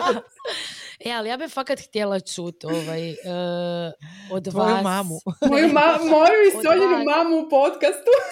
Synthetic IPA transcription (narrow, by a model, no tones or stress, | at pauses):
ealijaːbifakat̪xt̪jelat͡ʃuːt̪oʋajə | od̪ajumamumojumamojuisoʎinumamuupo̞t̪kast̪u